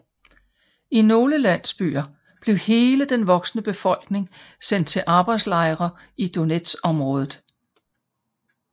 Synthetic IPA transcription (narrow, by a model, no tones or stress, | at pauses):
ino̝ːləlæn̰sb̥y̰ːɐ | b̥le̝ʊhe̝ːləd̥enʋɒ̽ɡ̥snəb̥e̝fɒ̽l̰ɡ̥ne̝ŋsen̰d̥̚t͡sʰe̝lʔɑ̈ːb̥ɑ̈ɪd̥slɑ̈ɪʁɐ | ʔid̥o̝ned̥sɒ̽mʁɔ̽ːð̞ˠð̩ˠ